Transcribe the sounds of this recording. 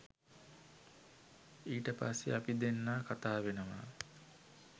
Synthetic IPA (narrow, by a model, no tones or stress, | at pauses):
iːʈəpasːḛapid̪enːaːkat̪aːʋenəʋa̰